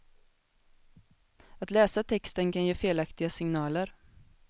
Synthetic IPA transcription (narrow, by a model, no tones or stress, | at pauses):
at̪lɛːsat̪ʰɛkst̪ənkanjeːfeːlakt̪ɪɡasɪŋnɑːləɾ